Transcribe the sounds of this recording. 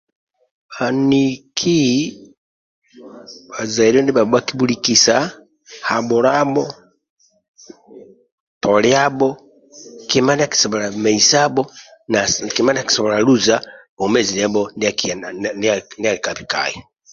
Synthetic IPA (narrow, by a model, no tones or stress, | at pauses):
anikʰi | bazaiɾiɔndiβabakibulikisa | habɔɾabɔ | tʰɔlɛabɔ | kimaniaki̥sɔbɔɾamɛisabɔnakimaniaki̥sɔβɔɾaluza | ɔmɛzinɛbɔndiakinnialikapika̰ji